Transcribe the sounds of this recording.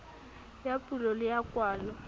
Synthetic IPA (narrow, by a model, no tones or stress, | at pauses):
japʼulɔlɪjakʼwaːlɔ